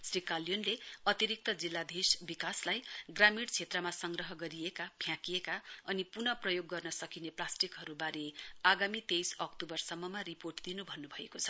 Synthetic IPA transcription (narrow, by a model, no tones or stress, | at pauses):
srikaljonleʌt̪iɾik̚t̪ʌd͡zilːad̪ʱisbikaslajɡramiɽt͡sʰet̪rʌmasʌŋɡrʌɦʌɡʌɾijekapʰjãkijekaʌnipunʌprʌjoɡːʌrnʌsʌkineplasʈikɦʌɾubaɾeaɡamit̪ejsʌkʈubʌrsʌmːʌmariporʈd̪inubʱʌnːubʱʌekot͡sʰʌ̥